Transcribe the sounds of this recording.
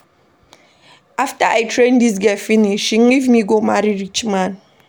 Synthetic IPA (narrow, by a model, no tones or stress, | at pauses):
ʔaftəʔajtʰɹẽndis̬ɡɛfiniʃiŋivmiɡomaɾiɹit͡ʃmãn